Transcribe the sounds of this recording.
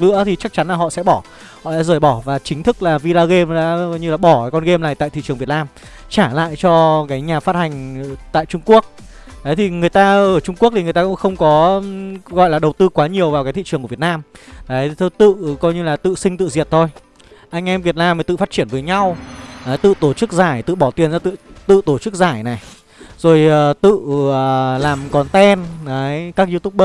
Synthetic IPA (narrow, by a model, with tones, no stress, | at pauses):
lɨ̰˧˥ət̪ʰi˨˩t͡ɕa˦˥k̚t͡ɕa˨˦nlaː˨˩ɦɔ̰˧˨sɛ̰˧˥ɓɔ˧˩ | hɔ̰˧˨ɗa̰ː˧˥zəː˨˩jɓɔ˧˩vaː˨˩t͡ɕï˨˦ŋ̟t̪ʰɨ˦˥k̚laː˨˩vi˧laː˧ɣe˧mɗa̰ː˧˥ɲɨ˧laː˨˩ɓɔ˧˩˨kɔ˧nɣe˧mlaː˨˩jt̪a̰ː˧˨t̪ʰḭ˧˨t͡ɕɨ˨˩əŋvi˨˩ət̚naː˧m | t͡ɕaː˧˩la̰ː˧˨jt͡ɕɔ˧kaː˨˦jɲaː˨˩faː˦˥t̚ha˨˩ŋ̟t̪a̰ː˧˨jt͡ɕʊ˧ŋ͡mku˦˥ək̚ | ɗə˨˦jt̪ʰi˨˩ŋɨ˨˩əjt̪aː˧əː˧˩t͡ɕʊ˧ŋ͡mku˦˥k̚t̪i˨˩ŋ˨˩jt̪aː˧kʊ̰˧˥ŋ͡mxə˧wŋ͡mkɔ˨˦ | ɣɔ̰˧˨jlaː˨˩ɗə˨˩wt̪ɨ˧kwaː˨˦ɲi˨˩əwvaː˨wkaː˨˦t̪ʰḭ˧˨t͡ɕɨ˨˩ŋkːətnaː˧mɗaː˨˦jt̪ʰo˧jt̪ɨ̰˧˨kɔ˧jɲɨ˧laː˨˩t̪ɨ̰˧˨sï˧ŋ̟t̪ɨ̰˧˨zi˨˩ət̚t̪ʰo˧j | ʔa˧jŋ̟ʔɛ˧mvi˨˩ət̚naː˧mfəː˨˦jt̪ɨ̰˧˨˩faː˦˥t̚t͡ɕi˧˩ənvəː˨˦jɲa˧wʔaː˨˦jt̪ɨ̰˧˨t̪o˧˩t͡ɕɨ˦˥k̚zaː˧˩jt̪ɨ̰˧˨ɓɔ˧˩t̪i˨˩ənzaː˧t̪ɨ̰˧˨t̪ɨ̰˧˨t̪o˧˩t͡ɕɨ˦˥k̚zaː˧˩jna˨˩j | zo˨˩jəː˨˩t̪ɨ̰˧˨ə˨˩laː˨˩mkɔ˨˦nt̪ɛ˧naː˨˦jkaː˦˥k̚zɨ˧t̪ʊ˦˥k͡p̚ɓə˦˥